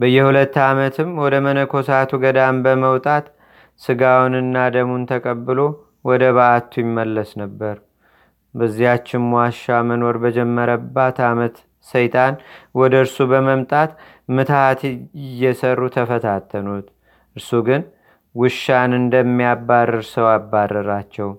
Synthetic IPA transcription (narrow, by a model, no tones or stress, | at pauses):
bəjːɛhulət̪ːamət̪ʰɨmwɔd̪əmənəkʰo̞sat̪ʰuɡəd̪ambəməwt̪ʼat̪ | sɨɡawnɨnːad̪əmunt̪ʰəkʼəbːɨlo̞ | wɔd̪əβaːt̪ʰːujɪmːəlːəsnəbːəɾ | bəzːihat͡ʃːɪnmaʃamənoɾbəd͡ʒɛmːəɾəbːat̪ʰamət̪ | səjt̪ʼanwɔd̪əɨɾsubəməmt̪ʼat̪ | mɨt̪ʰaat̪jːɛsərːut̪ʰəfət̪ʰat̪ʰːənut̪ | ʔɨɾsuɡɨn | wɨʃːanɨnd̪əmːijabːarːɨɾsəwabːarːɨɾat͡ʃːɛw